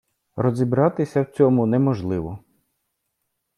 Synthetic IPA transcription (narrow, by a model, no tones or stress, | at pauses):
rɔzʲibɾɑt̪ɪsʲɐwt͡sʲɔmʊnɛmɔʒlˠɪʋɔ